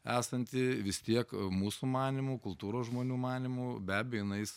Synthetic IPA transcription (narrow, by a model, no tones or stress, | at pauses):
æːsɐnʲt̪ʲɪʋʲɪst̪ʲiɛkmuːsumɑːnʲɪmʊkʊlˠt̪uːɾoːsʒmoːnʲuːmɑːnʲɪmʊbʲæːbʲɪjojɪnɐɪs